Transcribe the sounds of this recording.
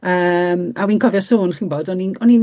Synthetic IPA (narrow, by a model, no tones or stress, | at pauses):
əːmawiːnkʰɔvjɔsoːnχinboːdɔninɔnin